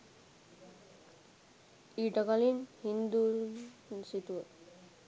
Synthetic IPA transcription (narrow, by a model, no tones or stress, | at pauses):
iʈakalinhind̪u | sit̪u